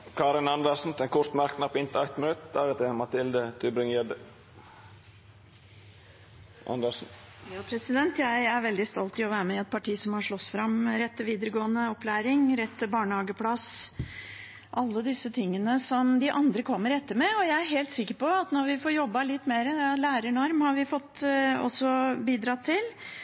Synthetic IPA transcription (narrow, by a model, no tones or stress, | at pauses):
kʰɑːɾɪnɑnd̪əsn̩t̪ɛnkʰɔɾt̪mæɾknɑpɔɪnt̪əæɪt̪mɪnʉt̪d̪ɑɾət̪ʰɛmɑt̪ɪld̪ət̪ʰʉbɾɪŋjɛd̪ə | ʔɑ̰nd̪əʂn̩ | jɑːpʰɾɛsɪd̪ɛnt̪jæɪæɾʋɛld̪ɪst̪ɔlt̪ɪɔʋæːɾəmɛɛt̪̚pʰɑʈʰiːsɔmhɑʂɭɔsfɾɑmɾɛt̪ːəʋiːd̪əɾəɡoːənəɔplæːɾɪŋɾɛt̪ʰːɪbɑːɳəhɑːɡəpʰlɑs | ʔɑlːəd̪ɪsːət̪ʰɪŋːənəsɔmd̪ɪʔɑnd̪ɾəkʰɔmːəɾɛt̪ːəɾmɛɔjæɪæɾɦeːlt̪sɪkːəɾpɔɑt̪nɔɾʋɪfoːɾjɔbːɑlɪt̪ːmeːɾəlæːɾəɳɔɾmhɑɾʋɪfɔt̪ːɔ̰sːɔbiːd̪ɾɑt̪ʰːɪl